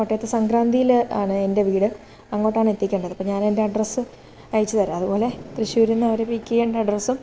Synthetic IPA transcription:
koʈːeːt̪ːesɐŋɡɾaːnd̪ijila̰ːɳɨende̞ʋiːɽɨ | ɐŋːo̞ːʈːaːɳɨe̞t̪ːikʲːeːɳɖɐðɨɐpːoɲaːne̞nde̞ɐɖrɐsɨ | ɐjit͡ɕːɨt̪ɐɾuɐðupo̞ːle̞t̪riɕuːɾunːɐɐʋɐɾepikʲːijeːɳɖeɐɖrɐsum

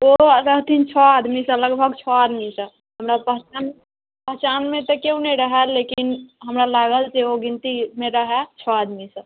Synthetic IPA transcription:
oɾəɦt̪int͡ʃʰɔad̪misə̃ləɡbʱəɡt͡ʃʰɔad̪misə̃ | ɦəmɾapəɦt͡ʃan | pəɦt͡ʃanmẽt̪ɔkeũnəĩɾəɦɛlekinɦəmɾalaɡəlt͡ʃeoɡint̪imẽɾəɦɛt͡ʃʰɔad̪misə̃

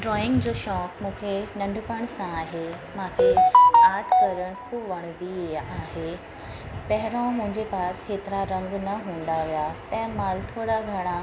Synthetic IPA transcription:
ɖɾɔːɪ̃ŋɡd͡ʑoːʃɔːkmũːkʰenɐ̃ɳɖʱʊpəɽ̃sãaːɦe | mãːkʰeaːʈkɐɾəɽ̃kʰuːbʋɐɽ̃d̪ieaːɦe | pɐɦɪɾõmʊ̃ɦɪ̃ɲd͡ʑepaːskeːt̪ɪɾaɾɐ̃ŋɡnɐɦũːn̆d̪aʋijat̪ɛ̃ɦɪ̃maːlt̪ʰoːɽaɡʱɐɽ̃a

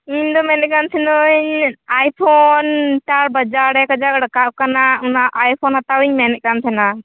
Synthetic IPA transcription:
iɲd̪ɔmɛnɛt̪̚kant̪ʰɛnɔɲajpʰɔnʈaɾbad͡ʒaɾɾɛkad͡ʒakɔɽɔkaʔkanaunaʔajpʰɔnhat̪awiɲmɛnɛʔ̚kant̪ʰɛna

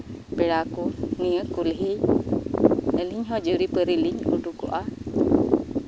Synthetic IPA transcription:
pɛɽakuŋiəkːulɦej | əliɲɦɔd͡ʒuɾipəɾiliɲṵɖukuʔa

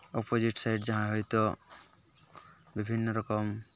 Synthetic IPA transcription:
ɔpod͡ʒiʈsajʈd͡ʒaɦãɦɔjt̪ɔ | bibʱinːɔɾɔkɔm

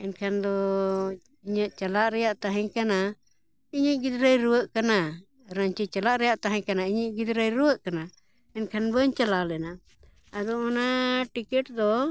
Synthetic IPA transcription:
ɛnkʰand̪ɔ | iɲəʔt͡ʃalaʔɾɛjaʔt̪aɦɛ̃ɲkana | iɲəɡid̪ɾəjɾuwəʔkana | ɾaɲt͡ʃit͡ʃalaʔɾɛjaʔt̪aɦɛ̃ɲkanaiɲəʔɡid̪ɾəjɾuwəʔkana | ɛnkʰanbəɲt͡ʃalalɛna | ad̪ɔmɔnaʈikɛʈ̚d̪ɔ

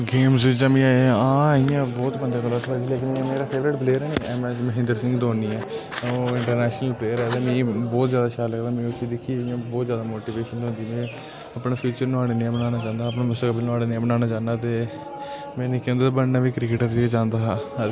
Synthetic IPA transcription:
ɡeːmsid͡ʒãːmĩːaːeãːijãːbɔːt̪bənd̪aːɡəlːaːt̪ʰad͡ʒiːleːkɪnːmeːɾaːpʰeːʋɾɪʈbleːɾɛːniːɛːmɛ̃ːməɦɪ̃nd̪əɾsɪ̃ŋɡd̪oːniːɛː | oːɪɳʈəɾnɛːʃnəlpɾeːɾɛːd̪aːmĩːbɔːt̪zjaːd̪aːʃaːləkd̪aːmɛ̃ːʊsiːd̪ɪkʰːiːijãːbɔːt̪zjaːd̪aːmoːʈiːʋeːʃənɦõnd̪iːmɛ̃ː | əpɳaːpʰuːt͡ʃəɾnaːɽeːniɛ̃ːbənaːnaːd͡ʒãːnd̪aːəpnaːmʊst̪əkbɪlnaːɽeːneɛ̃ːbənaːnaːd͡ʒãːnaːt̪eː | mɛ̃ːnĩːkɛ̃nd̪eːt̪abənnaːʋiːkɾɪkeʈəɾd͡ʒid͡ʒãːnd̪aː

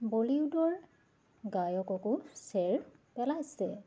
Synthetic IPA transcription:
boliʊdɔɹ | ɡajɔkɔkʊsɛɹ | pɛlasɛ

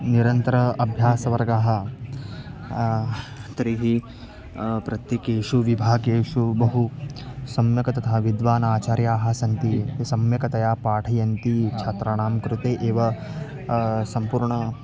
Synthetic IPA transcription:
niɾɐnt̪ɐɾɐɐbʱjaːsɐʋɐɾɡaɦɐ̆ | t̪ɐɾiɦi | pɾɐt̪jɐkeːʃuʋibʱaːɡeːʃubɐɦusɐmjɐkɐt̪ɐt̪ʰaːʋid̪ʋaːnaːt͡ʃaːɾjaːɦɐsɐnt̪isɐmjɐkɐt̪ɐjaːpaːʈʰɐjɐnt̪it͡ʃʰɐt̪ɾaɳaːmkɾut̪eːʔeːʋɐ | sɐmpuːɾɳɐ

